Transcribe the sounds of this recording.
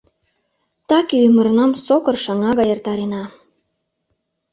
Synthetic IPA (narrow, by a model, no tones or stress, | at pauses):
t̪ɑkejymə̆ɾnɑmsokɤ̆rʃɑŋɑɣɑjert̪ɑɾenɑ